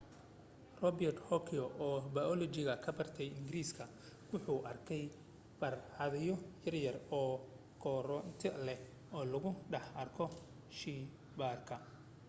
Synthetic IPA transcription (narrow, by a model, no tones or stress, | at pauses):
rɔbjɛrt̪hɔkʰɛɔʔɔːbajɔlɔt͡ʃɪɣɐkʰɐbɐrt̪ʰɛjɪŋɡɪɾiːskʰɐ | wʊħuːʔɐrkʰɛj | b̥ɐrhɐðɛjɔjɐrjɐrɔː | kʰɔɾɔnt̪ʰɛlɛ | ɔːlɐɣʊɖɐħɐrkʰɔ | ʃi | baːrkʰɐ